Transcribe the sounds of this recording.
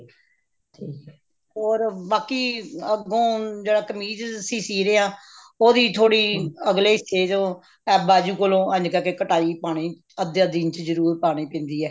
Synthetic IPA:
iː | oːɾbaːkiːəɡõːd͡ʒeːɽaːkəmiːd͡ʒsiːsiːɾeːãː | oːd̪iːt̪ʰoːɽiːəɡleːɪseːd͡ʒ̪õː | ɛːbaːd͡ʒuːkolõːə̃d͡ʒkəkeːkəʈaːiːpaːɽ̃iː | əd̪jãːd̪iːnt͡ʃzəɾuːɾpaːɽ̃iːpɛ̃ːnd̪iːɛː

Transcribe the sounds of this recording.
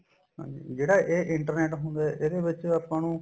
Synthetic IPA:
ɦã̰ːɲd͡ʒḭːd͡ʒeːɽaːʔeːʔɪɳʈəɾnɛːʈɦʊnd̪aːɛʔeːd̪eːʋɪt͡ʃapːãːnũː

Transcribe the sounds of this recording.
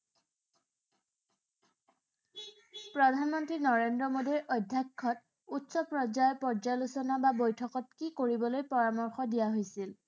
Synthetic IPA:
pɹɔdʱanmɔntɹinɔɹendɹɔmodiɹɔjdʱjakʰːɔt̚ | utsɔpɹɔd͡ʒajɔpɔɹd͡ʒalusɔnababojtʰɔkɔt̚kikoɹibɔlojpɔɹamɔɹxɔdijaɦojsil

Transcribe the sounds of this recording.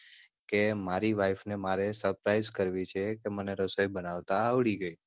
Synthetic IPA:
kemaɾiʋajfnemaɾesəɾpɾajzkəɾʋit͡ʃʰekeməneɾəsojbənaʋt̪aːʋɭiɡəj

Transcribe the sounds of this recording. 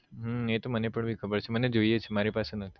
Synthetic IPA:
ɦet̪omənepəɳbʱikʰəbəɾt͡ʃʰeməned͡ʒoijet͡ʃʰemaɾipasenət̪ʰi̥

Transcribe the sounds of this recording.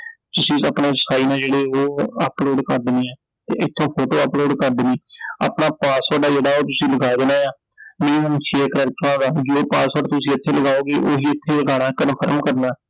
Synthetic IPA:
t͡ʃ̪ʊsĩːəpɳaːsaːiːnãːd͡ʒeːɽeːoːəploːɖkəɾd̪ɪneːɛː | t̪eːɪt̪ʰːõːpʰoːʈoːəploːɖkəɾd̪ɪneːə̰ːpnaːpaːsaːɖaːd͡ʒeːɽaːoːt̪̬ʊsĩːləɡaːid̪ɪnãːjaː | mẽːnənt͡ʃʰeeːkɾɛːk̚ʈɾãːd̪aːd͡ʒoːpaːsaːɖt̪ʊsĩːɪt̪ʰːeːləɡaːoːɡeːʔoːɦiːɪt̪ʰːeːlɡaːɽ̃aːkəd̪əpʰəɾəmkəɾnaː

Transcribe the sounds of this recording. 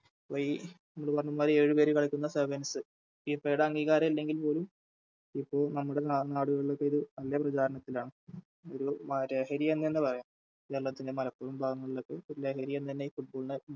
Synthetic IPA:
ʋojinɐmːɐɭpɐrɐɲːumaːɾie̞ːɻɨpe̞ːɾukɐɭikʲːunːɐsɐbɐnɐsɨ | ipːeːjɽeɐŋɡiːɣaːɾɐmilːe̞ŋɡilpo̞ːlum | ipːo̞ːɭnɐmːuɽenaːɽuɣɐɭiɭːo̞kːe̞iðɨnɐlːjɐprɐt͡ɕaːɾɐɳɐt̪ːilaːɳɨ | oɾumɾe̞ːɦɐɾijɐenːenːɨpɐrɐjaːm | eɭːɐt̪ːinde̞mɐlɐpːoːumbʱaːɡɐŋːɐɭilokːeoɾle̞ːhɐɾijɐnːɨt̪ɐnːe̞iːfuʈ̚bo̞ːɭinɨ

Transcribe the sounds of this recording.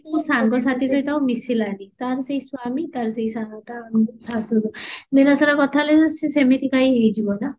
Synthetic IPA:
ɔwsaŋɡɔs̬at̪ʰisɔjt̪awmisilanit̪aɾsejsuamit̪aɾsejsaŋɡt̪asasuludinasɔɾakɔt̪ʰaled͡zsisemekikajɦejd͡ʒibɔna

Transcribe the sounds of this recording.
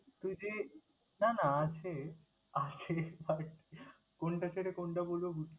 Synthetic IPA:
t̪ujd͡ʑe | nanaat͡ɕʰe | at͡ɕʰebaɾʈi | koɳʈat͡ɕʰeʈekonʈabolobuʈʰ

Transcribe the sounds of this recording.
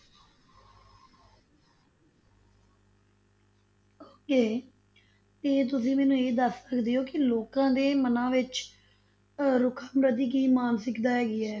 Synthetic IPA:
oːkeː | t̪eːt̪̬ʊsĩːmɛːnũːeːd̪əsːəkd̪eːoːkɪloːkãːd̪eːmənãːʋɪt͡ʃ | ɾʊkʰaːmɾəd̪iːk̬iːmaːnsɪkd̪aːɦɛːɡɪɛː

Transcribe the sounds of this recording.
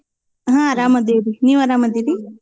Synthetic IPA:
ɦãɾaːmɐd̪eɾiniːʋɐɾaːmɐd̪eɾi

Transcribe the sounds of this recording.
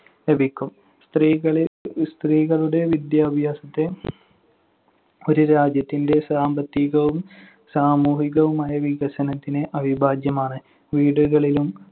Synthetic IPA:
le̞bʱikʲːum | st̪riːɣɐɭst̪riːɣɐɭuɽe̞ʋid̪jaːbʱjaːsɐt̪ːe̞ | o̞ɾuɾaːd͡ʑjɐt̪ːinde̞saːmbɐt̪ːiɣɐʋum | saːmuːɦiɣɐʋumaːjɐʋiɣɐɕɐnɐt̪ːineʔɐbʱibʱaːd͡ʑjɐmaːɳɨ | ʋiːɽuɣɐɭilum

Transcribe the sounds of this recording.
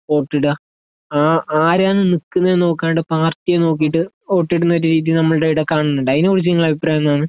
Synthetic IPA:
o̞ːʈːiɽɨa | aːʔaːɾaːnɨnikːɨnːɐenːo̞ːkːaːnɨʈːɨpaːrt̪ijeno̞ːk̬ːijiʈːɨ | o̞ːʈːiɽunːɐo̞ɾuɾiːðinɐmːɐɭɨɽeiɽekaːɳunːuɳɖɐinoːɽis̬iŋɐɭɐbʱipraːjɐnːaːɳɨ

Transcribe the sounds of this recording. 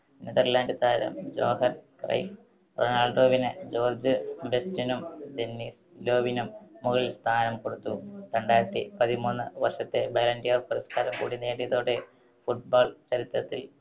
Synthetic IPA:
niðɐrlaːndɨt̪aːɾɐ̰md͡ʑo̞ːɦɐnkrɐ̰jf | ronaːɭɖo̞ːʋinɨd͡ʑo̞ːrd͡ʑɨbestinumd̪e̞nːiːs | lo̞ːʋinumːuɣɐɭst̪ʰaːnɐmkoɽut̪ːutɐɳɖaːɾɐt̪ːipɐðimuːnːɨʋɐrʂɐt̪ːe̞beːlɐndijɐrpɐɾɐskaːɾɐmkṵːɽineːɽijɐðo̞ːɽe̞ | fuʈ̚baːɭt͡ɕɐɾit̪rɐt̪ːil

